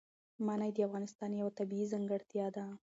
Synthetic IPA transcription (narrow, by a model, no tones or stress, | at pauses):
manajd̪əafɣɑnɪst̪ɑnjawat̪abiizaŋɡəɽt̪jɑd̪a